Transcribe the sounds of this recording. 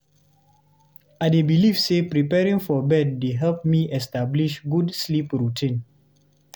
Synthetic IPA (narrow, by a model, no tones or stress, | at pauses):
aɪdebilivsepɹipɛɹĩŋfɔbɛd̚ːeɦɛlp̚miʔɛstabliʃɡudslipɹutʰĩn